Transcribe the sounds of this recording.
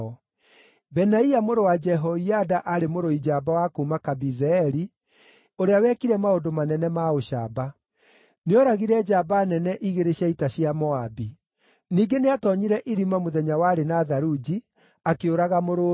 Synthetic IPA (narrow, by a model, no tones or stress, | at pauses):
ɔ | bɛnaiamoɾowad͡ʒɛɦɔiadaʔaɾemoɾoid͡ʒaːbawakoumakabizɛɛɾi | oɾeawɛkiɾɛmaondomanɛnɛmaoɕaːba | neɔɾaɣiɾɛd͡ʒabanɛnɛʔiɣeɾeɕaitaɕiamɔabi | niːɡeneatɔɲiɾɛʔiɾimamoðɛɲawaːɾenaðaɾud͡ʒi | akeoɾaɣamoɾo